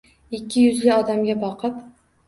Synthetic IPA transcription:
ɪkʲːɪjʊzlɪɒd̪amɡʲabɒqʰɨp

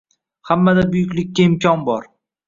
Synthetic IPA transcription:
hamːad̪abʊjʊkʲlɪkʲːaɪmkʲʰɒnbɒɾ

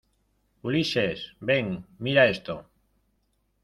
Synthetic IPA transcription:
uliʃesbeŋmiɾaest̪o

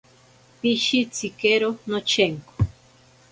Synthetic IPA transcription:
piʃit͡sʰikeɾonot͡ʃʰeŋko̥

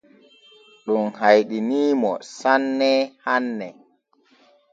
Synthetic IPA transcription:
ɗunhajɗiniːmɔ̰sanːɛhanːɛ

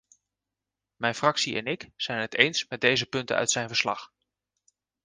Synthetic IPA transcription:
mɛjnfrɑksiʔɛ̰nɪkz̥ɛjnɦətejnsmɛd̚dejzəpɵntə̰nœ̰ɥtsɛjnvəɹslɑ̰χ

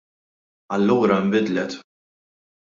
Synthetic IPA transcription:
ɐlːuːɾɐɪmbɪd̪lɛt̪

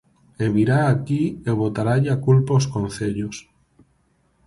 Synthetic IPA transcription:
eβiɾaːkieβot̪aɾaʎakulpaoskonθeʎos

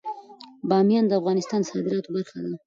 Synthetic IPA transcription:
bɑmjɑnd̪əafɣɑnɪst̪ɑnsɑd̪ɪɾɑt̪obaɾxad̪a

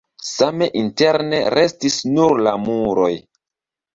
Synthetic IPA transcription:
same̞ʔinte̞ɾneɾe̞stisnuɾlamuɾo̞j

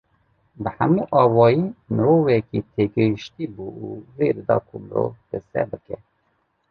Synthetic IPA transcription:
bəhæmiʔɑːwɑːjiːməɾoːvɛkit̪ʰeɡɨhiʃt̪iːbuuveɾɨd̪ɑ̰ːkʰuməɾo̰vd̪̥ɨsɛ̰bɨkɛ

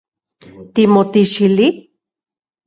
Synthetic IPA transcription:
t̪imot̪iʃili

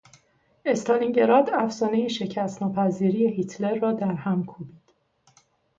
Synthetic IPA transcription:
e̞st̪ʰɒliŋɟe̞ɾɒːd̪æfsɒːne̞jiʃe̞cʰæst̪nɒːpʰæziːɾiːjehit̪ʰle̞ɾːɒːd̪æɾhæmkʰubiːd̪̥

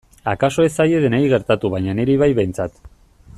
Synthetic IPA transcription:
akaso̞e̞saje̞ðenajɣe̞ɾt̪at̪uβajɲaneɾiβ̞ajβejnt͡sat̪

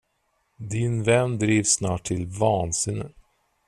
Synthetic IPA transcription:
d̪ɪnvɛnːd̪ɾiːvsːnɑːʈʰːɪlvɑːnsɪnɪ

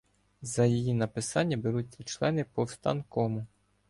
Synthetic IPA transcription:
zɐjijinɐpɪsɑnʲːɐbeɾut͡sʲːɐt͡ʃlˠɛnɪpɔwst̪ɑ̰nkɔmʊ

